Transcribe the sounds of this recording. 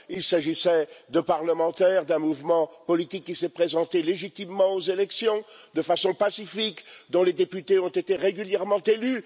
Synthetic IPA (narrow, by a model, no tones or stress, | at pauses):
ilsaʒisɛd̪ə̃paʁləmɑ̃t̪ɛʁd̪ɛ̃muvmɑ̃pɔlit̪ikːisɛpχezɑ̃t̪eleʒit̪imːɑ̃ozelɛksjɔ̃d̪əfasɔ̃pasifikd̪ɔ̃led̪epyt̪eɔ̃t̪et̪eʁeɡʲyljɛʁmɑ̃t̪ely